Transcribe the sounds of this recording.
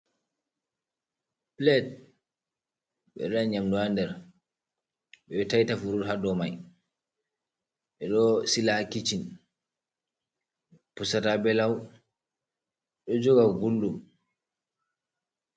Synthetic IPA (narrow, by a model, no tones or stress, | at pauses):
plɛt̚ | ɓɛ̰ɾaɲamduandɛɾ | ɓɛtajtafuɾuɾɦadɔmaj | ɓɛɗɔsilakit͡ʃin | pusatabɛlaw | ɗɔd͡ʒɔɡawbulːum